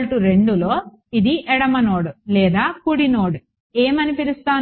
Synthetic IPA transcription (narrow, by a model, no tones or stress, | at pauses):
ʈuɾe̞ɳɖuloː | id̪iʔɛɽɐmɐno̞ːɽulɛːd̪aːkuɽinoːɽu | eːmɐnipiɾist̪aː